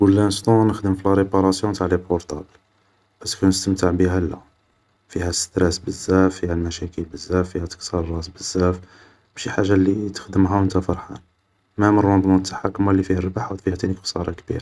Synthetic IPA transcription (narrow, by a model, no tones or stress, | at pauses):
ɡulːænst̪unəxd̪əmflæɾepɑɾˤɑsjũt̪aʕlipoɾt̪ˤɑbl | bæskunəst̪əmt̪əʕbiɦælːæ̰ | fihæst̪ɾæsbəzːæfːihælmæʃækəlbəzːæfːihæt̪ə̥ksɑɾˤrˤːɑsbəzːæf | b̥æʃiħaʒːalit̪ə̥xd̪əmɦæwənt̪æfɑɾˤħa̰n | mæmərˤːwɑnd̪ˤmʊt̪ːḁħakːəmælːifihærəbaħwd̪fihæt̪iniksˤɑ̰ɾˤɑkbḭɾ